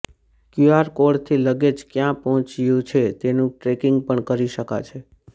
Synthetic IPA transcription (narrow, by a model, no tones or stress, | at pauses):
kjuaɾkoɽt̪ʰiləɡed͡ʒkjãpəɦɔ̃t͡ʃijũt͡ʃʰet̪enũʈɾekiŋɡ̚pəɳkəɾiʃəka̰t͡ʃʰe